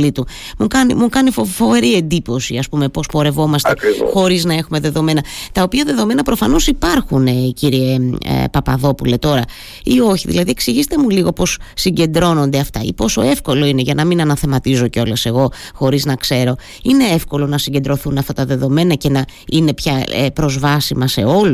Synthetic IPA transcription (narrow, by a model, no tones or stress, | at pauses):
lit̪u | mukɐnḭmukɐnifofo̞ve̞ɾie̞nd̪iposiɐspume̞po̞spo̞ɾe̞vo̞mɐst̪ḛxo̞ɾiznɐe̞xume̞ðe̞ðo̞me̞nɐt̪ɐopiɐðe̞ðo̞me̞nɐpɾo̞fɐno̞sipɐɾxuneiciɾiḛpɐpɐ̰ðo̞pule̞t̪o̞ɾɐ | io̞çiðḭlɐðie̞ksiʝist̪e̞muliɣo̞po̞sːiɲɟe̞nd̪ɾo̞no̞nd̪e̞ɐft̪ɐ̰ḭpo̞so̞e̞fko̞lo̞ine̞ʝɐnɐminɐnɐθe̞mɐt̪izo̞ceo̞lese̞ɣo̞xo̞ɾiznɐkse̞ɾo̞ | ine̞efko̞lo̞nɐsiɲɟend̪ɾo̞θunɐft̪ɐt̪ɐðe̞ðo̞me̞nɐce̞nɐine̞pçɐepɾo̞zvɐsimɐse̞o̞lu